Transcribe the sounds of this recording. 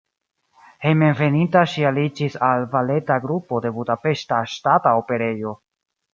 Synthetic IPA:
he̞jmenve̞nintaʃialid͡ʒisalvale̞taɡɾupo̞de̞budape̞ʃtaʃtataope̞ɾe̞jo̞

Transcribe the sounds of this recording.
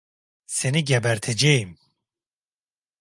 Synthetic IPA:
seniɟɛbæɾt̪ʰed͡ʒejim

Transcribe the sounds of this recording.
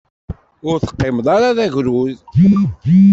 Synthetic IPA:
ʊɾθə̥qːemðˤɑɾaðæʝɾuðidi

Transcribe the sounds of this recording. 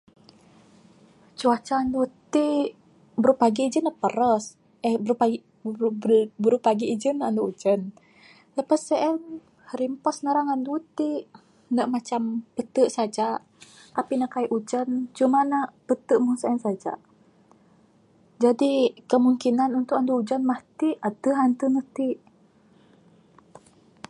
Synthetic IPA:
t͡ʃuat͡ʃaːndut̪i | bəɾupaɡid͡ʒənaʔpəɾəs | ʔəhbəɾupa | bəɾupaɡiːd͡ʒənaʔanduʔud͡ʒən | ləpasəʔɛn | ɾimpɔsnəɾaŋandut̪iʔ | nəʔmat͡ʃampət̪əʔsad͡ʒaʔ | t̪apinaʔkaiʔud͡ʒənt͡ʃumanaʔpət̪əʔmunsəənsad͡ʒa̰ʔ | d͡ʒadikəmuŋkinanunt̪ʊkanduud͡ʒənmaht̪iʔat̪əɦant̪ənət̪iʔ

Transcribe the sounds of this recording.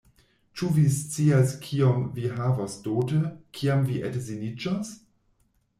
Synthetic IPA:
t͡ʃuvist͡siaskʰiomviɦavasdoːtəkʰiamviʔḛtzinid͡ʒas

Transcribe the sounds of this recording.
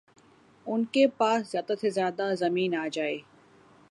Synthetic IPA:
ʊnkepaːszjaːd̪asezjaːd̪azɐmiːnaːd͡ʒaːeː

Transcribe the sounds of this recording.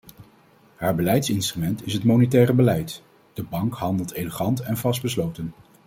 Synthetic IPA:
haːɹbəlɛjtsɪnstrymɛntɪsɦətmownetɛːrəbəlɛjt | d̥əbɑŋkɦɑndəlˠtejləχɑntɛnvɑsd̚bəslowtən

